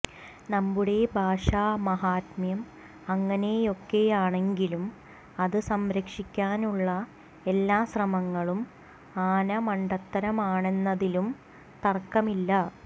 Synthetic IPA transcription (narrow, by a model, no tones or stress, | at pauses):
nɐmbuɽe̞bʱaːʂaːmɐɦaːt̪mjɐm | ɐŋːɐne̞jo̞kːe̞jaːɳe̞ŋɡilum | ɐðɨsɐmɾɐkʂikʲːaːnuɭːɐ | e̞lːaːɕrɐmɐŋːɐɭum | aːnɐmɐɳɖɐt̪ːɐɾɐmaːɳe̞nːɐðilum | t̪ɐrkːɐmilːɐ